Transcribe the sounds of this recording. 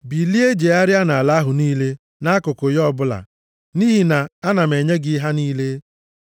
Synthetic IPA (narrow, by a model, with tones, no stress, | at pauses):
bi˨li˦e˦d͡ʒe˨a˦ɾɪ˦a˦na˨a˨la˦ɦʊ˨niː˦le˦ | na˦kʊ˨kʊ˨jɔ˦˨bʊ˦la̰˨ | niː˦ɦi˨na˨a˦na˨me˨ɲe˦ɡɪ˦ɦa˦niː˦le˦